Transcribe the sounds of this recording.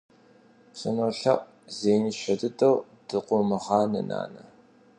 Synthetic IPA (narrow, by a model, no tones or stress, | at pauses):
pɕɐnoːɬɐʔʷʼ | zeːjniɕʷɐdɨtʼɐw | d̥ɨqʷʊmɨʁɑːnɐna̰ːnɐ